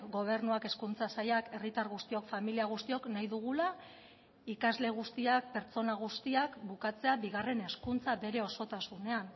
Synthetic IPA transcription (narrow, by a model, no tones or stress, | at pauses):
ɡo̞β̞e̞ɾnuake̞skunt͡sasajake̞rit̪aɾɣust̪io̞kfamiliaɣ̞ust̪io̞knajðuɣula | ikazle̞ɣ̞ust̪iak̚pe̞ɾt͡so̞naɣ̞ust̪iakbukat͡se̞abiɣare̞ne̞skunt͡saβe̞ɾe̞o̞so̞t̪asune̞an